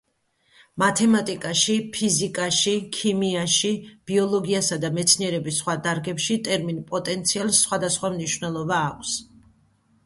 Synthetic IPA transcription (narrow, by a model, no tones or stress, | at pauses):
mat̪ʰɛmat̪ʼikʼaʃipʰizikʼaʃikʰimiaʃib̥iɔlˠɔɡiasad̪amɛt̪sʰniɛɾɛbisːχwad̪aɾɡɛpʃit̪ʼɛɾminpʼɔt̪ʼɛnt̪sʰialˠsχwad̪asχwamniʃvnɛlˠɔbaːkʷʰs